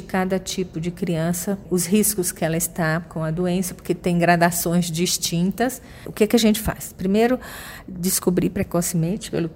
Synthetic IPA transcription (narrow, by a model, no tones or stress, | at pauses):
ɪkad̪ɐt͡ʃipʊd͡ʒɪkɾiɐ̃sɐʊshiskʊskɪɛlɐɪst̪akõw̃ɐd̪oẽsɐpoɾket̪ẽj̃ɡɾad̪asõj̃zd͡ʒist͡ʃĩnt̪ɐs | ʊ̰kɛkɪɐʒẽnt͡ʃɪ̥fa̰spɾimejɾʊd͡ʒ̪ɪskubɾipɾɛkɔsimẽnt͡ʃɪ̥pḛlʊ